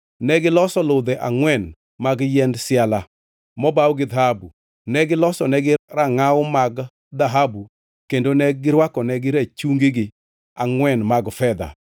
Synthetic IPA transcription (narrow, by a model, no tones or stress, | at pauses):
nɛɡɪlɔsɔlʊd̪ɛʔaŋwɛn | maɡjɛndsɪala | mɔbawɔɡɪd̪ahabu | nɛɡɪlɔsɔnɛɡɪraŋaʊmaɡ | d̪aɦabu | kendonɛɡɪɾwakɔnɛɡɪɾat͡ʃuŋɡeɡɪ | aŋwɛnmaɡfɛd̪a̰